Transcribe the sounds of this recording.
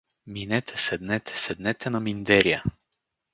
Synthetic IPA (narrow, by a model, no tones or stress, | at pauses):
minɛt̪ʰɛsɛd̪nɛt̪ʰɛ̥sɛd̪nɛt̪ʰɛnɔmind̪ɛɾja